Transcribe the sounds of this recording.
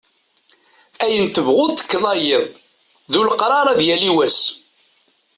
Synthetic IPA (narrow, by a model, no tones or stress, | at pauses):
æjənt̪əvʁʊðθə̥kːðˤɑjeðˤ | ðulqɾˤɑɾˤɑðjæliwæs